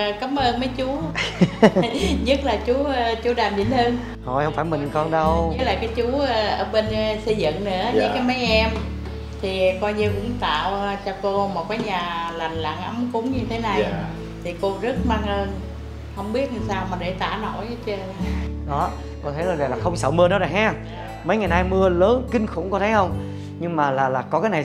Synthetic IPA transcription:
kaː˨˦mʔəː˧nmə˨˦jt͡ɕu˨˦ | ɲə˦˥t̚laː˨˩t͡ɕu˨˦˧t͡ɕu˨˦ɗaː˨˩mɲḭ˧˩nhəː˧n | ho˨˩jhə˧wŋ͡mfaː˧˩jmï˨˩ŋkɔ˧nɗə˧wɲə˦˥laː˨˩kaː˨˦jt͡ɕu˨˦ə˧ʔəː˧˩ɓe˧n˧sə˧jzɨ̰˧˨ŋnɨ̰˧˥əɨ˧aː˨˦jma˨˦jʔɛ˧m | t̪ʰi˨˩kɔ˧jɲi˧wkʊ̰˧˥ŋ͡mt̪a̰ː˧˨wt͡ɕɔ˧ko˧mo˨˩t̚kaː˨˦jɲaː˨˩la˨˩ŋ̟la̰ː˧˨ŋʔə˨˦mkʊ˨˦ŋ͡mɲɨ˧t̪ʰe˨˦na˨˩j | t̪ʰi˨˩ko˧zə˦˥t̚maː˧ŋʔəː˧n | hə˧wŋ͡mɓi˦˥ət̚ɲɨ˨˩jsaː˧wmaː˨˩ɗe˧˩t̪a̰ː˧˩no̰˧˩jt͡ɕə˧a˧˩ɗɔ˨˦ | ko˧˩t̪ʰə˨˦zo˨˩va˨˩laː˨˩xə˧wŋ͡msə̰ː˧˩wmɨ˧əɗɔ˨˦zə˨˩ɦa˦˥ | mə˨˦jŋa˨˩jnaː˧jmɨ˧ələː˨˦nkï˧ŋ̟xʊ̰˧˥ŋ͡mkɔ˨˦t̪ʰə˨˦jxə˧wŋ͡m | ɲɨ˧ŋmaː˨˩laː˨˩laː˨˩kɔ˨˦kaː˨˦jna˨˩

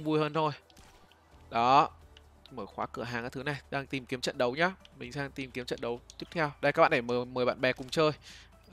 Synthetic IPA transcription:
ŋ͡mvu˧jhəː˧nt̪ʰo˧j | ɗɔ˨˦ | məː˧˩xwaː˨˦kɨ˧˩əɦaː˨˩ŋʔaː˨˩t̪ʰɨ˨˦na˨˩jɗaː˧ŋt̪i˨˩mki˨˦əmt͡ɕə̰˧˨nɗə˨˦wɲa˨˦mï˨˩ŋ̟saː˧ŋt̪i˨˩mki˨˦əmt͡ɕə̰˧˨nɗə˨˦wt̪i˦˥t̪ʰɛ˧wɗə˧jkːaː˦˥k̚ɓa̰ː˧˨˩e˧˩məː˨˩məː˨˩jɓa̰ː˧˨nɓɛ˨˩kʊ˨˩ŋ͡mt͡ɕəː˧j

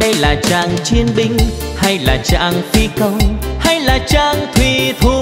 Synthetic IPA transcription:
ɗə˧jlaː˨˩t͡ɕaː˧˩ŋt͡ɕwi˧ənɓï˧ŋ̟ | ha˧jlaː˨˩t͡ɕa̰ː˧˩ŋfi˧kə˧nha˧jlaː˨˩t͡ɕaː˧ŋt̪ʰwi˨˩t̪ʰu˨˩

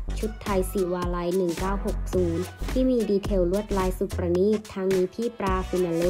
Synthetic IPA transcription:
t͡ɕʰu˦˥t̪ʰːa˧jsiː˨˩waː˧la˦˥jnɯ˨˩ŋkaː˥˩who˨˩k̚suː˩˦nt̪ʰiː˥˩miː˧diː˧t̪ʰe˧wlu˥˩ət̪̚laː˧˥jsu˨˩p̚pɾa˧niː˥˩t̚t̪ʰːaː˧ŋniː˧pʰiː˥˩pɾaː˧ku˧na˧lu˦˥

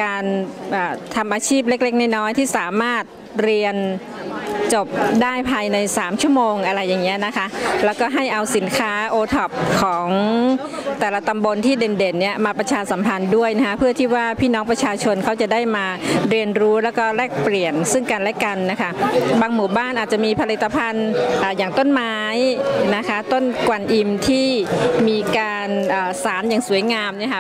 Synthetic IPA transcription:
kaː˧nʔaː˨˩t̪ʰa˧mʔaː˧t͡ɕʰiː˥˩p̬̚le˦˥k̚le˦˥k̚naː˥˩jnɔː˦˥jt̪ʰiː˥˩saː˩˦maː˥˩t̪̚ | ɾi˧ən | t͡ɕo˨˩p̚daː˥˩jpʰaː˧jna˧jsaː˩˦mt͡ɕʰu˥˩əmoː˧ŋʔa˧ɾa˧jːaː˨˩ŋːi˦˥na˦˥kʰa˦˥lɛː˦˥wkɔː˥˩ɦa˥˩jʔa˧wsi˩˦nkʰaː˦˥ʔoː˧t̪ʰɔ˨˩p̚kʰɔː˩˦ŋ | t̪ɛː˨˩la˧t̪a˧mbo˧nt̪ʰiː˥˩de˧nde˨˩nːi˦˥˩ɐmaː˧pɾa˧t͡ɕʰaː˧sa˩˦mpʰa˧ndu˥˩əjna˦˥kʰa˦˥pʰɯ˥˩ət̪ʰiː˥˩waː˥˩pʰiː˥˩nɔː˦˥ŋpɾa˧t͡ɕʰaː˧t͡ɕʰo˧nkʰa˦˥wt͡ɕa˨˩daː˥˩jmaː˧ɾi˧ənɾuː˦˥lɛː˦˥wkɔː˥˩ɾɛː˥˩k̚pli˨˩ənsɯ˥˩ŋka˧nlɛ˦˥ka˧nːa˦˥kʰa˦˥˩baː˧ŋmuː˨˩baː˥˩nʔaː˨˩t̪̚t͡ɕa˨˩ʔmiː˧pʰa˧li˨˩t̪ːa˧pʰa˧nʔaː˨˩jaː˨˩ŋt̪o˥˩nmaː˦˥jna˦˥kʰa˦˥t̪o˥˩nkwa˧nʔi˧mt̪ʰiː˥˩miː˧kaː˧nʔaː˨˩saː˩˦njaː˨˩ŋsu˨˩˦əjŋaː˧mni˥˩ɐkʰa˦˥

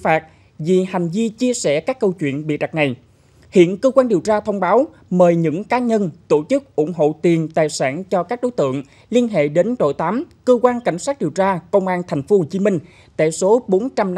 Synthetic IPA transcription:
faː˨˩t̚ | vi˨˩ha˨˩jŋ̟vi˧t͡ɕi˧əsɛ˧˩kaː˦˥kːə˧wt͡ɕwḭ˧˨ənɓḭ˧˨ɗa˨˩k̚na˨˩j | hḭ˧˨ənkəː˧kwaː˧nɗi˨˩əwt͡ɕaː˧t̪ʰə˧wŋ͡mɓaː˨˦w | məː˨˩jɲɨ̰˧˥ŋkaː˨˦ɲə˧nt̪o˧˩t͡ɕɨ˦˥k̚ʔʊ˧˩ŋ͡mɦo̰˧˨t̪i˨˩ənt̪aː˨˩jsaː˧˩nt͡ɕɔ˧kaː˦˥k̚ɗo˨˦jt̪ɨ̰˧˨əŋ | li˧ənɦḛ˧˨ɗe˨˦nɗo̰˧˨jt̪aː˨˦mkəː˧kwaː˧nka˧˩jŋ̟sa˦˥t̚ɗi˨˩əwt͡ɕaː˧kə˧wŋ͡mʔaː˧nt̪ʰjŋ̟fo˨˦ho˧˨˩t͡ɕi˨˦mï˧ŋ̟ | t̪a̰ː˧˨jso˨˦ɓo˨˦nt͡ɕa˧m

